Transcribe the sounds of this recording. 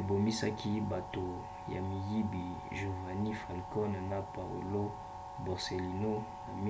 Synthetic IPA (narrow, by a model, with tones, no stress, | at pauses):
e˨bo˨mi˦sa˦kʰi˦ba˨to˨ | ja̰˨mi˨ji˦bi˨ | ʒu˨va˨ni˦fa˨lkɔ˦n˨na˨pa˨o̰˨lo˦ | bo˨ʁse˨li˨no˦na˨mi˦